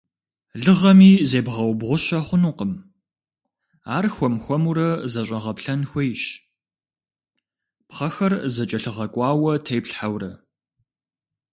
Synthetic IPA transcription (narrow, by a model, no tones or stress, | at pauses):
ɮɨʁɐmiːzeːbʁɐwbʁʷʊɕɐχʷʊnuqəm | aːrxʷɔmxʷɔmuɾɐzɐɕʼɐʁɐpɬɐnxʷejɕ | pχɐxɐrzɐt͡ʃʼɐɬɨʁɐkʷʼɑːwɐtʰejpɬħawrɐ̰